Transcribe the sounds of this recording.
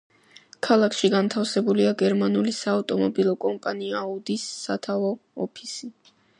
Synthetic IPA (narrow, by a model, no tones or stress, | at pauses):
kʰalˠakʰʃiɡant̪ʰafsɛbuliaɡɛɾmanulisaːft̪ʼɔmɔbilˠɔkʼɔmpʼaniaud̪isːat̪ʰavɔɔpʰisi